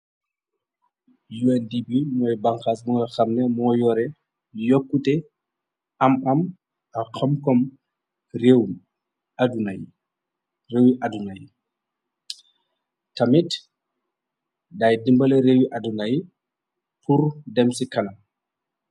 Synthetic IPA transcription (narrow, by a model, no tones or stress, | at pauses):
juɛndibimɔːjbɐŋxaːsbɔŋɡɔxɐmnɛmɔːjɔːɾɛ | jɔkːutɛ | ɐmɐm | ɐxɐmkɔm | rew | adunaj | rewiʔɐdunaji | tɐmit | daːjdimbɐlɛɾewiʔɐdunaj | pʰuɾdɛmsikɐnɐm